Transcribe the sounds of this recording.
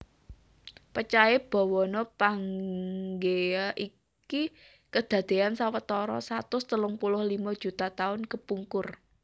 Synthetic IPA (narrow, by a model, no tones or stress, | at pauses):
pət͡ʃaɛb̥ɔ̤wɔnɔpaŋɡeaʔi | ki | kəd̪̥ä̤d̪̥e̤ansawət̪ɔɾɔ̰sat̪ʊst̪əlʊŋpulʊhlimad̥ʒ̥ṳt̪at̪aʊnkəpuŋkʊr